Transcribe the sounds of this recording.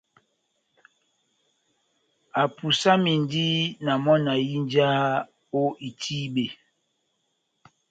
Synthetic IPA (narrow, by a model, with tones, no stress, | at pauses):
a˨pu˨sa˦mi˨ndi˦na˨mɔ˦na˨ji˦nd͡ʒa˦ | o˦ʔi˨tʰi˦ɓe˨